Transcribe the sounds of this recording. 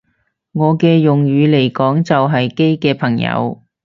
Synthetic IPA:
ŋɔː˨˧kɛː˧jʊ˨ŋjɥyː˨˧le˨˩jkɔː˨˥ŋt͡sɐ˨wɦɐ˨jke˥jkɛː˧pʰɐ˨˩ŋjɐ̰˨˧w

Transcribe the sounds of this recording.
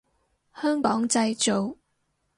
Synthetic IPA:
hœː˥ŋkɔː˨˥ŋt͡sɐ˧jt͡ʃo˨w

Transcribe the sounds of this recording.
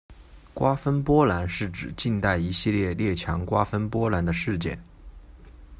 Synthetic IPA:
kwa˥fə˥npwɔ˥la˧˥nʂɻ̩˥˩ʈ͡ʂɻ̩˨˩t͡ɕi˥˧nt̪a˥˩ɪi˧˥ɕi˥˧ljɛ˥˧ljɛ˥˩t͡ɕʰjɑ˧˥ŋkwa˥fə˥npwɔ˥la˧˥nd̪ə˧ʂɻ̩˥˧t͡ɕjɛ̰˥˩n

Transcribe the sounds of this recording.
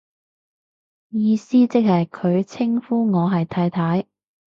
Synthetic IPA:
jiː˧siː˥t͡sɪ˥k̚hɐ˨jkʰɵ˨˧ɥt͡sʰɪ˥ŋfuː˥ŋɔː˨˧ɦɐ˨jt̪ʰaː˧jt̪ʰaː˨˥j

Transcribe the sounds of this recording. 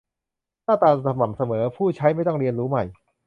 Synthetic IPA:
t̪ʰaː˥˩t̪aː˧nsa˧ma˨˩msa˧mɤː˩˦pʰuː˥˩t͡ɕʰa˦˥jma˥˩jt̪ɔ˥˩ŋɾi˧ənɾuː˦˥ma˨˩j

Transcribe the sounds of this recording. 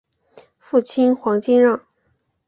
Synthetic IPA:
fu˥˩t͡ɕʰi˥nxwɑ˧˥ŋt͡ɕi˥nɻɑ˥˩ŋ

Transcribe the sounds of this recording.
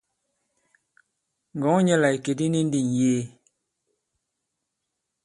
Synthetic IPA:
ŋɡɔ˨˦ɲɛ˦la˨i˨ke˨di˦ni˦n˦di˨n˨jeː˦

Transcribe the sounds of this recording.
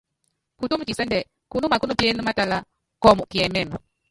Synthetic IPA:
ku˨tu˦mu˨t͡ʃi˨sɛ˦ndɛ˨ | ku˦nu˦ma˨ku˦nu˦pi˦ɛ˦nu˦ma˦ta˨la˦ | kɔ˦˨mu˨ki˨ɛ˨mɛ˦˨mi˨

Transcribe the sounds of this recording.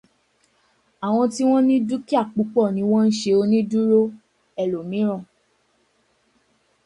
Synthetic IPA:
a˨w̃ɔ̃˧ti˦w̃ɔ̃˦nĩ˦du˦ki˦a˦˨k͡pu˨˦k͡pɔ˦˨nĩ˨˦w̃ɔ̃˦n̩˦ʃe˧o˧nĩ˦du˦ɾo˦ | ɛ˨lo˨mĩ˨˦ɾ̃ɔ̃˦˨

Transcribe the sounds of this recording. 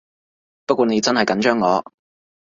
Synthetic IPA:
pɐ˥t̚kʷɔː˧ne˨˧jt͡sɐ˥nhɐ˨jkɐ˨˥nt͡ʃœː˥ŋːɔː˨˧

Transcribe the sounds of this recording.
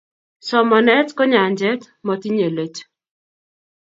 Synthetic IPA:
sɔ˨mɔ˨nɛ˦tkɔ˦ɲa˨nd͡ʒɛ˦t | mɔ˨ti˦ɲe˨le˨t͡ʃ

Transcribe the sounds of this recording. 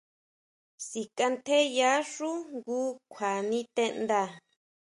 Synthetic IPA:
si˨ka˧nt̪ʰe˦ja˦ʂu˦ŋɡuː˦kʷʰa˨nĩ˦t̪e˦˧nd̪a˧˨

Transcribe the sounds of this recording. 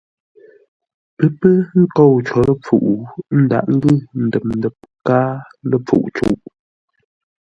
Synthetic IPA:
pə˦pə˦ŋ̩˦ko˦˨wt͡ʃɔ˨˦lə˦p͡fṵ˨ʔu˨n̩˦da̰˨ʔŋ̩˦ɡʉ˦˨n̩˨dɛ˨p̚n˨dɛ˨p̚kaː˦ | lə˨p͡fṵ˨ʔt͡ʃṵ˨ʔ

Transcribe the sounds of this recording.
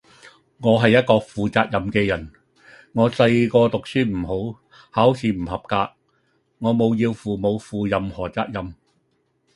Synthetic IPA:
ŋɔː˨˧ɦɐ˨jɐ˥t̚kɔː˧fuː˨t͡saː˧k̚jɐ˨˧mkɛː˧jɐ˨˩n | ŋɔː˨˧sɐ˧jkɔː˧t̪ʊ˨k̚syː˥m̩˨˩ho˨˥w | haː˨˥wsʰiː˨˥m̩˨˩hɐ˨p̚kaː˧k̚ | ŋɔː˨˧mo˨˧wjiː˧wfuː˨˧mo˨˧wfuː˨jɐ˨mhɔː˨˩t͡saː˧k̚jɐ˨m

